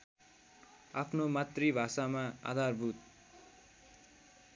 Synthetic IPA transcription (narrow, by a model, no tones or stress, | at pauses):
apʰnomat̪ribʱasamaa̰d̪ʱarbʱut̪